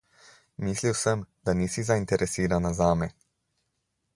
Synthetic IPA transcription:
miːsliwsəmd̪aniːsizaint̪ɛɾʔɛsiːɾanazaːmɛ

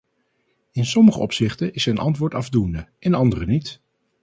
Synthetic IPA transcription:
ɪnsɔməχə̰ʔɔpsɪχtənʔɪsənʔɑ̰ntʋʊːɹtɑvdundəʔɛnɑndərənit

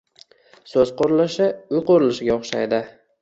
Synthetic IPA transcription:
sɵzqoɾɪlɪʃɪʊjqoɾɪlɪʃɪɡʲaoχʃa̰jd̪ɪ

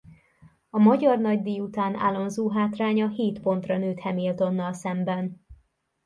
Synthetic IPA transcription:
ɒmɒɟɒrnɒɟd̪iːjut̪aːna̰ːlo̞nzuːɦaːt̪raːɲɒheːt̪po̞nt̪rɒnøːt̪hɛmilt̪o̞nːɒlsɛmbɛn

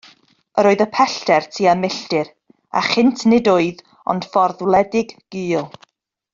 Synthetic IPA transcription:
əɾoːɨðəpʰɛɬtɛrtʰiːamɪɬtɪɾ | a̰χɪntʰnɪdʊɨð | ɔ̰nd̥fɔrðwlˠɛdɪɡ̥ːiːlˠ

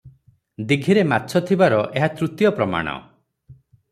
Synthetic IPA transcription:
d̪iɡʱiɾematːt͡ʃʰɔt̪ʰibaɾɔʔeɦat̪ɾut̪jɔpɾɔma̰ɽ̃ɔ̰

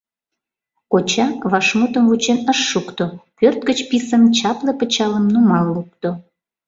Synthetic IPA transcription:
kot͡ɕɑβɑʃmut̪əmvut͡ɕenəʃːukt̪opørt̪̚ɡət͡ɕpisəmt͡ɕɑplepət͡ɕɑləmnumɑlːup̚t̪o

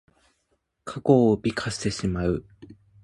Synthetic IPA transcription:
kʰako̞ːbʲikʰaɕt̪e̞ɕimaɯ̟

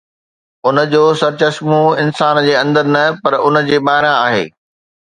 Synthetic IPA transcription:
ʊnə̆d͡ʑoːsɐɾt͡ɕɐsmũɪnsaːnd͡ʑeːɐ̃nd̪əɾnɐpɐɾʊnə̆d͡ʑeːɓaːɪɾãaːɦḛː

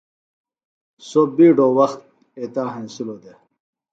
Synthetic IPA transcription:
sobiːɖowɐxt̪̚ | et̪aːɦãnsulod̪e

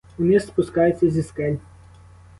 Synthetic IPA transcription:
ʊnɪspʊskɑjʊt͡sʲːɐzʲiskɛlʲ

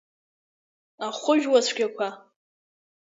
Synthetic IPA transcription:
aχʷʊʒᶣwasʷɡʲakʷʰa

